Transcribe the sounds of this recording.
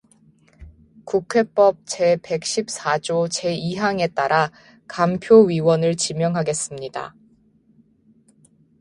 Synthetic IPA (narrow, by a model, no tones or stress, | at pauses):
kukʰe̞p͈ʌp̚t͡ɕe̞pe̞k̚ɕ͈ip̚s͈ad͡ʑot͡ɕe̞iɦaŋe̞t͈aɾa | kampʰjoɥiwʌnɯɭt͡ɕimjʌŋɦaɡe̞s͈ɯmɲida̰